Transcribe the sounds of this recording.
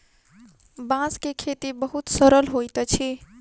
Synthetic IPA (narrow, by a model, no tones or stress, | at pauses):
bãskekʰet̪ibəɦut̪səɾəlɦojt̪t͡ʃʰi